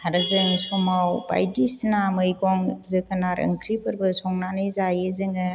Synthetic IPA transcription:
aɾɯzɯŋsɔmawba̰jdisnamɯjɡɔŋzɯkʰɐnaɾɐ̰ŋkʰɾipʰɯɾbɯsɔŋnanɯjzajezɯŋɯ

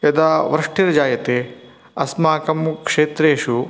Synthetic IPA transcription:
ɐd̪aʋɾɐʂʈiɾɐd͡ʒaːjɐt̪eː | ɐsmaːkɐmkʂeːt̪ɾeːʃu

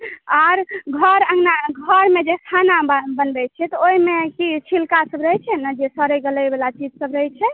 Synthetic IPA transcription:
aɾɡʱəɾə̃ŋɡnaɡʱəɾmed͡ʒest̪ʰanabənbɛt͡ʃʰɛt̪ɔoimekit͡ʃʰilkasəbɾəɦɛt͡ʃʰɛnəd͡ʒesəɾəjɡələjbelat͡ʃid͡ʒsəbɾəɦɛt͡ʃʰɛ

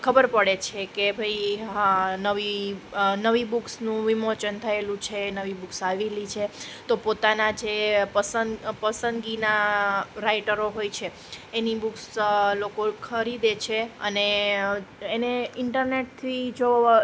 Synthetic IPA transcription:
kʰəbəɾpəɽet͡ʃʰekebʱəjɦãnəʋi | nəʋibuksnũʋimot͡ʃənt̪ʰəelũt͡ʃʰenəʋibuksaʋelit͡ʃʰet̪opot̪anad͡ʒepəsənpəsə̃nd̪ɡinaɾaiʈəɾoɦojt͡ʃʰeː | nibukslokokʰəɾid̪et͡ʃʰeəne | eneɪɳʈəɾneʈ̚t̪ʰid͡ʒo

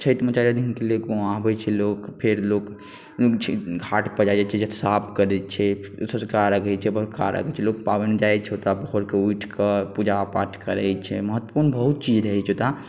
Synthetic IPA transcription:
t͡ʃʰət̪mət͡ʃaɾijad̪inkelekõabɛt͡ʃʰɛlokpʰeɾlok | t͡ʃʰɡʱaʈpəd͡ʒad͡ʒat͡ʃʰɛd͡ʒət̪ʰsapʰkəɾɛt͡ʃʰɛsə̃skaɾəɡʱɛt͡ʃʰɛbəɾka̰ɾə̰kʰət͡ʃʰɛlok̚pabəned͡ʒajt͡ʃʰɛɦot̪abəɦoɾkeuiʈʰkəpud͡ʒapa̰ɾʈkəɾəjt͡ʃʰɛməɦət̪ːə̥puɾnbəɦut̪̚t͡ʃid͡ʒɾəɦɛt͡ʃʰot̪a

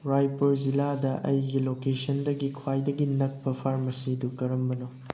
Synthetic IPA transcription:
ɾajpoɾziladɐʔɐjɡilokesɐndɐɡikʰwajdɐɡinɐk̚pɐpʰaɾmɐsidukɐɾɐmbɐno

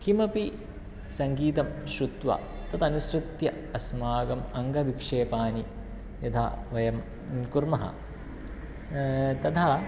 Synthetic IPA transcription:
kʰimɐpi | sɐŋɡiːt̪ɐmʃɾut̪ʋa̰ | t̪ɐt̪ɐnusɾut̪jɐ | ɐsmaːɡɐmɐŋɡɐʋikʂeːpaːni | jɐt̪ʰa̰ʋɐjɐm | kuɾmɐɦɐ̰ | t̪ɐt̪ʰɐ

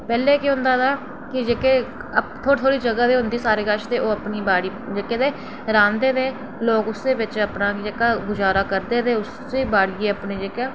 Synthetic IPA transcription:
pɛːleːkeɦʊ̃nd̪aːt̪aː | kɪd͡ʒeːkeː | ət̪ʰoːt̪ʰoːɽiːd͡ʒəɡaːd̪eːɦʊnd̪iːsaːɾeːkəʃt̪eːʔoːəpniːbaːɽiːd͡ʒeːkeːd̪eː | ɾãːnd̪eːd̪ẽː | loːkʊsd̪eːbɪt͡ʃəpnaːkɪd͡ʒekaːɡʊd͡ʒaːɾaːkəɾd̪eːd̪eːʊs | eːbaːɽiːeːəpɳẽːd͡ʒeːkaː

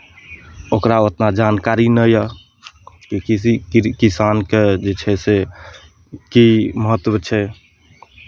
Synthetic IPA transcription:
okɾaot̪nad͡ʒankaɾinəjə | kiisikisanked͡ʒet͡ʃʰɛse | kiməɦət̪ːwət͡ʃʰɛ

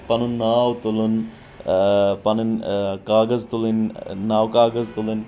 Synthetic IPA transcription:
pɐnunːaːwt̪ulun | pɐnɨnkaːɡɐzt̪ulinːaːwkaːɡɐzt̪ulɨn

